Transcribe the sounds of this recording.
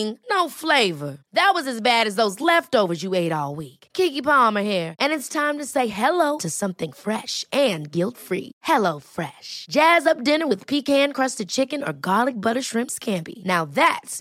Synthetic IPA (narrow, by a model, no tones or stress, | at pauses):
ɪ̃ŋnoʊfleɪvə˞ðɨt̚wʌzɨzbæɾɨzðoʊzlɛftoʊvə˞zjɨeɪɾɔlˠwikkʰikipɑmə˞hiɹʔɨ̃nɨtstʰãɪ̃mtɨseɪɦɛloʊɾɨsʌ̃mθɪ̃ŋfɹɛʃɨ̃nɡɪlˠtfɹḭhɛloʊfɹɛʃd̥ʒ̥æzʌp̚d̥ɪ̃nə˞wɨð̥pʰikhæ̃nkʰɹ̥ʌstɨd̚t͡ʃʰɪkɨ̃nə̰˞ɡɑlˠɨk̚bʌɾə˞ʃɹɪ̃mpskʰæ̃mpḭnaʊðæts